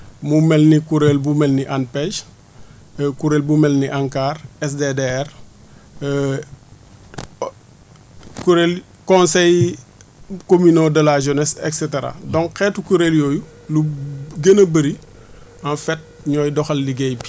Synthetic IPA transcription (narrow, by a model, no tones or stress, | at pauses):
mumɛlnikuɾelbumɛlniʔanpɛʒ | kuɾelbumɛlniʔaŋkaːrɛs̬dedeɛr | kuɾel | kɔ̃nsɛj | kominodɐlaʒənɛsɛ̰ksɛteɾa̰dɔ̃ŋkkɛːtukuɾeljoːju | luɡənəbəɾi | anfɛt̚ | ɲɔːjdɔxɐlːiɡɛjpi̥